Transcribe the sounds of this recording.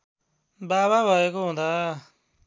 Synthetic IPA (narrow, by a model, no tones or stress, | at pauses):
baːβaːbaeːkoɦõːnd̪aː